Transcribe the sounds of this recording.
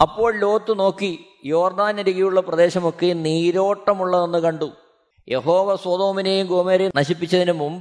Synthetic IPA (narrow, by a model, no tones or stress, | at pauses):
ɐpːo̞ːɭlo̞ːt̪ːɨno̞ːkːi | joːrd̪aːnɐɾiɣɐjuɭːɐprɐd̪e̞ːɕɐmo̞kːeniːɾo̞ːʈːɐmuɭːɐðenːɨkɐɳɖu | je̞̰ho̞ːʋɐswɐd̪o̞ːminejumɡoːmeːɾenɐɕipːit͡ɕːɐðinɨmumbɨ